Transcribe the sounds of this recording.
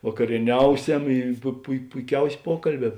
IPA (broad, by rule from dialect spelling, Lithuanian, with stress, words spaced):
ʋɐkɐrʲiɛˈnʲɛʊˌsʲɛm ɪ pʊ pʊɪ pʊɪˈkʲɛʊsʲeː ˈpuɔkɐlʲˌbʲɛː